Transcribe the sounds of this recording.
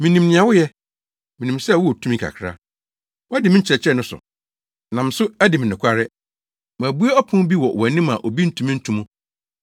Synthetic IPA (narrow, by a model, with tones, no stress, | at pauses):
mĩ˨nĩ˨mnɪ̃˨ã˨wʊ˦jɛ˦ | mĩ˨nĩ˨msɛ˦˨wɔ˦ɔ˨tʰu˦mĩ˦kʰa̰˨kʰɾa̰˦ | wɔ˦æ˦dɪ˨mɪ̃˦ɲ̩˦t͡ɕʰɪɾɛ˨t͡ɕʰɛ˦nʊ̃˦sʊ̰˨ | nã˨m˨˦sʊ˦æ˦dɪ˨mɪ̃˨nɪ̃˨kʷʰa˦ɾɪ˦ | mã˨bu˦a˦ɔ˦pʰʊ̃˦bi˦wɔ˨wɔ˨nĩ˦ma̰˨ʔo˨bi˦n̩˦tʰũ˨mĩ˦n̩˦tʰũ˦mũ˦